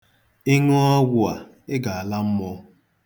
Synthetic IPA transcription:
ɪ˦ŋo˦ɔ˦ɡʷʊ˦a˨ | ɪ˦ɡa˨a˨la˦m̩˦mɔ˦

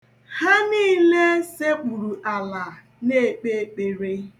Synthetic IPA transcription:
ha˦niː˦le˦se˦k͡pu˨ɾu˨ʔa˨la˨ | ne˦˨k͡pe˦k͡pe˨ɾe˦

